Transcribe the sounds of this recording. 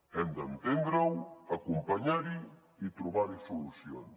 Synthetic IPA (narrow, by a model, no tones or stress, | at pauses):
ɛnd̪ant̪end̪ɾawakumpaɲaɾi | it̪ɾuβaɾisolusjo̰n